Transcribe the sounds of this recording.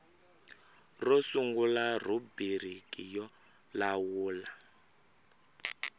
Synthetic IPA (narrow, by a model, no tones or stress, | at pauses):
rɔsuŋɡularubiɾ̤ikʼijɔ | lawuːla